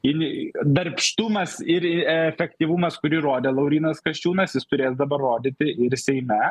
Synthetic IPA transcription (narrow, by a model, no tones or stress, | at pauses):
ɪnʲd̪ɐɾʲpʲʃt̪ʊmɐsɪɾɪɛɛfʲɛkt̪ʲiːʋʊmɐskʊɾʲɪɾoːd̪ʲeːlˠɐʊɾʲiːnɐskɐʃʲt͡ʃʲuːnɐsjɪst̪ʊɾʲeːsd̪ɐbɐrːoːd̪ʲɪt̪ʲɪɪɾsʲɛɪmʲɛ